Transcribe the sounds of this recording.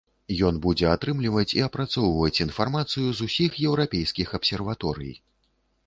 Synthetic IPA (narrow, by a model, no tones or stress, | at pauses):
jɔnbud͡zʲɛat̪ɾɨmlʲivɐt͡sʲiɐpɾat̪sɔwvɐt͡sʲinfarmat̪sɨjuzusʲixjɛwɾapʲejskʲixɐpsʲɛrvat̪ɔɾɨ̰jj